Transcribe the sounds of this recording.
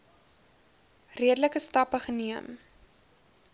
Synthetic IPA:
riədələkəstɐpəχəniəm

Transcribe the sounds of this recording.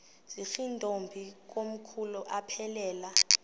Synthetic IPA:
z̥ixindʼʱombʱik̬om̩kʰuluʔapʰɛlɛːla

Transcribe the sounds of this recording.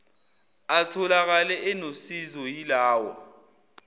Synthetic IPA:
atʰɔlak̬alɛʔɛnosizɔjilaːwɔ̰

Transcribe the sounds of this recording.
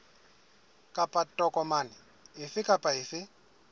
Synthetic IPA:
kʼapʼatʼɔkʼɔmaːnɪ | ɪfɪkʼapʼaɪfɪ

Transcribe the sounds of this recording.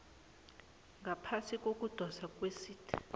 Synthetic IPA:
ŋɡʱapʰasikʼok̬ʼud̥ʱɔsakʼwesiːtʰi̥

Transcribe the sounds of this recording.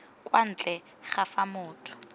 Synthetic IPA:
kʼwan̩t͡ɬʼɛ | χafamʊːtʰʊ̥

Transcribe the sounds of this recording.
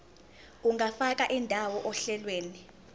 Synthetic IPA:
uŋɡʱafak̬ʼaʔindʱawɔʔɔɬɛlweːni

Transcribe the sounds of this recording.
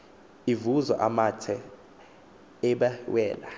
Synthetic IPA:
ivuza̰ʔamatʰɛ | ɛɓawɛːla

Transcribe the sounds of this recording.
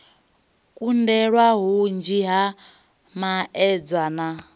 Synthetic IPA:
kʼundɛɺwaɦund͡ʒiɦa | maɛd͡zwana

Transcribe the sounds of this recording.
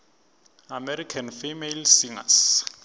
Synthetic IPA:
amɛɾikʰanfimelsiŋa̰s

